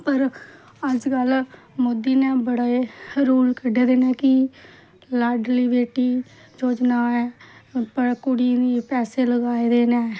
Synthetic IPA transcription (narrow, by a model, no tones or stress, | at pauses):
pəɾ | əd͡ʒkəl | mʊd̪ːiːnɛ̃ːbəɽaːeːɾuːlkʰəɖeːd̪eːnɛ̃ːkɪ | laːɖliːbeːʈiː | d͡ʒoːd͡ʒnaːɛːpəɾkʊɽiːd̪iːpɛːseːləɡaːid̪eːnɛː